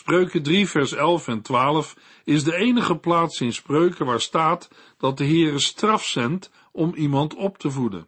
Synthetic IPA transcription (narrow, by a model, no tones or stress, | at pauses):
sprøɥkədrivɛɹsɛlˠfɛntʋaːləf | ɪzdəejnəχəplaːtsɪnsprøɥkəʋaːɹstaːt | d̥ɑt̚dəɦɪːrəstrɑfsɛnt | ɔmimɑntɔptəvudə̰n